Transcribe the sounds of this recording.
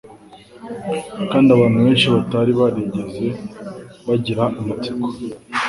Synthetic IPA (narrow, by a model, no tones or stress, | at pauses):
kaːndiaβaːnhuβeːnʃiβataɾiβaɾeɟeze̞ | βaɟiɾaʔːmat͡siko̥